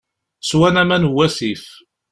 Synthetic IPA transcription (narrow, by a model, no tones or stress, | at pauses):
swænæmænwːæθif